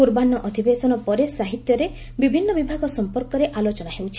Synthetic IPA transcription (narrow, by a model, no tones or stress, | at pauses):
kuɾbanɔʔɔd̪ʱibesɔnɔpɔɾesaɦit̪jɔɾe | bibʱinːɔbibʱaɡɔsɔmpɔɾkɔɾeʔalot͡ʃɔnaɦewt͡ʃʰi̥